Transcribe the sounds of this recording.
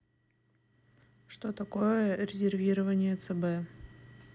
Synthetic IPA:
ʂt̪ot̪ɐko̞jəɾʲɪzʲɪrvʲiɾəvənʲɪjət̪sɛbɛ

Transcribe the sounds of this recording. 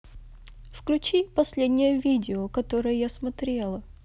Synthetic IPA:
fklʲʉt͡ɕipɐsʲlʲed̪ʲnʲɪjəvʲidʲɪokɐt̪oɾɨjəjasmɐt̪ɾʲelˠə

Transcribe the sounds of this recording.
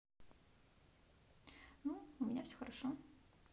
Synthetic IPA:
nuʊmʲɪnʲafsʲɵ̥xəɾɐʂo

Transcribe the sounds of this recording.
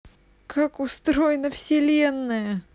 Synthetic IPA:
kʰakʊst̪ɾojɪnəfsʲɪlʲenːɨjə

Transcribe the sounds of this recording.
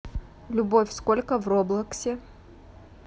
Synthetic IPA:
lʲʊbofʲskolʲkəvroblˠəksʲɪ

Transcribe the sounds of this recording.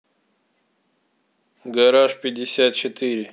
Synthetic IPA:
ɡɐɾaːʂpid̪isjaːt̪̚t͡ɕʰit̪iɾi

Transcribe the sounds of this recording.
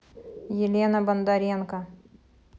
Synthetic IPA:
jɪlʲenɐbɐnd̪ɐɾʲenkɐ

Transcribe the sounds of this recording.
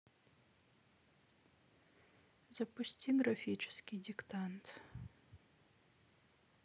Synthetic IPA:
zapusʲtʲʰiɡɾafʲit͡ʃʰɪ̥skʲidʲiktʰant̪ʰ

